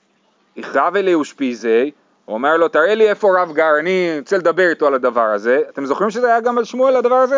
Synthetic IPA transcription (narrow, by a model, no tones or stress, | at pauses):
iχaveleuʃpizej | uome̞ʁlo̞t̪aʁelie̞fo̞ʁavɡaʁaniot͡seled̪abe̞ʁit̪oalad̪avaʁaze̞at̪e̞mzo̞χʁimʃezeajaɡamalʃmualad̪avaʁaze